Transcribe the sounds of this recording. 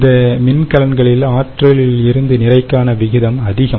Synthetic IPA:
d̪ɐmɪnkɐlɐnɡɐɭɪlaːʈrɐɭɪlɪɾɯnd̪ɯnɪrɐɪkːaːnɐʋɪɣɪðɐmɐðɪɣɐm

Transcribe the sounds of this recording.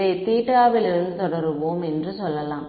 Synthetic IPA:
eɪt̪iːʈːɯaːʋɪlɪɾɯnd̪ɯt̪ɔɽɐɾɯʋoːmɛndrɯsɔlːɐlãːm

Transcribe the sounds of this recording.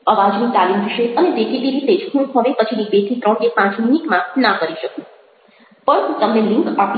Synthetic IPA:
əʋad͡ʒniʈalimʋiʃeʔəneb̪ekʰit̪iɾit̪ed͡ʒɦũɦəʋepət͡ʃʰinibeʈ̪ʰit̪ɾə̃ɳkepãt͡ʃminikmãnakəɾiʃəkũ | pəɳɦũt̪əmneliŋkap

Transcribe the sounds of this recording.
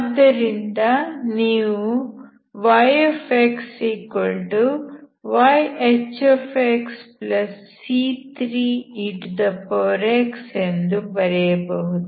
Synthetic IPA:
ɐd̪ɐɾind̪ɐniːʋu | ʋɐjefeksiːkɐlʈu | ʋajet͡ʃefʰeksplɐsːiːt̪ɾiːiʈd̪ɐpoːɾeksend̪upɐɾɛjɐbɐɦut̪

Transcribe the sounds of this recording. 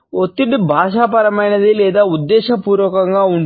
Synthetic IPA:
ot̪ːiʈibʱaːʃaːpɐɾɐmɐjnɐd̪ilɛːd̪aːud̪ːɛːʃɐpuːɾʋɐkɐŋɡaːuɳɖ

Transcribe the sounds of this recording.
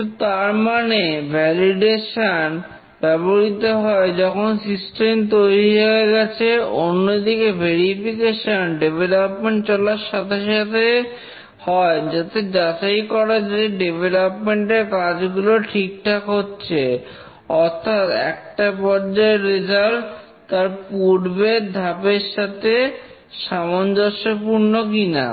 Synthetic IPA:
ot̪aɾmanebʱɛliɖeʃan | b̥ɛboɾit̪oɦɔed͡ʑɔkʰonsisʈemt̪̬ojɾiɦeeɡɛt͡ɕʰeonːod̪ikebʱeɾifikeʃonɖebʱelopmeɳʈ̚t͡ɕɔlaʃat̪ʰeʃat̪ʰe | hɔed͡ʑat̪ed͡ʑat͡ɕajkɔɾad͡ʑeiɖebelopmeɳʈeɾkad͡ʑɡuloʈʰik̚ʈʰakɦotːɕʰe | ɔɾt̪ʰat̪ɛ̰k̚ʈapɔɾd͡ʑaeɾːid͡ʑalʈ | t̪ːaɾpuɽbed̪ʱapeɾʃat̪ʰe | ʃamond̪oʃopuɾnokina̰

